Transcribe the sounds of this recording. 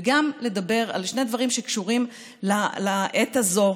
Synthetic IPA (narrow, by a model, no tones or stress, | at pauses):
ɡamle̞d̪abe̞ʁa̰lʃned̪vaʁimʃe̞kʃuʁim | lalaʔet̪azo̞